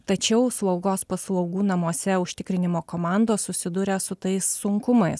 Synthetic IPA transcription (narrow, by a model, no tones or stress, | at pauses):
t̪ɐt͡ʃʲɛʊslˠɐʊɡoːspɐslˠɐʊɡuːnɐmuɔsʲɛʊʃʲt̪ʲɪkɾʲɪnʲɪmoːkoːmɑˑnd̪oːssʊsʲɪd̪ʊɾʲɛsʊt̪ɐɪsːʊŋkʊmɐɪs